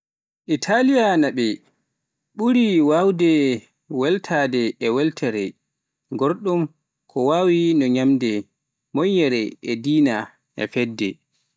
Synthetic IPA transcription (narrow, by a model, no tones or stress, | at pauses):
ʔitʰalijanaɓɛ | ɓuɾiwawdɛ | wɛltʰaːdɛɛwɛltʰaɾɛ | ɡoɾɗum | kʰɔwaːwinɔɲamdɛ | mɔjɛɾɛʔɛdiːna | ʔɛ̰fɛdːɛ̰